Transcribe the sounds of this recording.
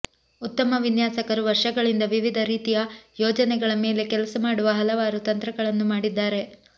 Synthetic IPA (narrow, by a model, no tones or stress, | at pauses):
ut̪ːɐmɐʋinjaːsɐkɐɾuʋɐɾʂɐɡɐɭind̪ɐʋiʋid̪ʱɐɾiːt̪ijɐjɔːd͡ʒɐnɛɡɐɭɐme̞ːle̞kɛlɐsɐmaːɽuʋɐɦɐlɐʋaːɾut̪ɐnt̪ɾɐɡɐɭɐnːumaːɽid̪ːaːɾe̞